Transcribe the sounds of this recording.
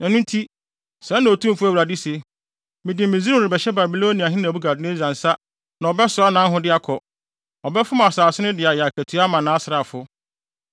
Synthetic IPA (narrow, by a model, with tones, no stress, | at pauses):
nã˨nʊ̃˦n˦tʰi˦ | sɛ̃˨˦nã˨o˨tʰũ˦m˦fʊ˦æ˦˨wɾa˨dɪ˦se˦ | mɪ̃˨dɪ̃˨mɪ̃˨zĩ˦˨ɾɪ˨bɛ˨ɕɛ˦ba˨bi˨lo˦nĩ˨a˨ɦɪ̃˦ñ˨bu˦ɡa˨dɪ˦nɪ̃˦zã˨n̩˨sa˦ | nã˨ɔ˨bɛ˦sʊ˨˦a˦nã˦ɦʊ̃˦dɪ˦a˦kʰɔ˨ | ɔ˨bɛ˦fʊ˦m˨a˨saː˨sɪ˦nʊ̃˦dɪ˨a˨ja˨kʰæ˨tʰu˨˦a˦mã˨nã˨˦sɾa˨fʊ˦